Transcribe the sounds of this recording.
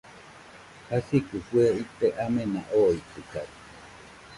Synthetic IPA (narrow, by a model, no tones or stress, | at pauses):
hasikufueit̪eʔamẽnaʔoit̪ɨka̰